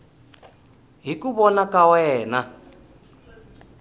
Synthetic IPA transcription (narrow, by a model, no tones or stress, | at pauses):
ɦikuβɔnakʼawɛːna